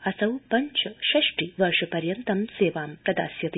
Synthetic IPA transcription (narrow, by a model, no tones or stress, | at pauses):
ɐsɐwpɐɲt͡ʃʰɐʃɐʃʈiʋɐɾʃɐpɐɾjɐnt̪ɐmseːʋaːmpɾɐd̪a̰ːsjɐt̪i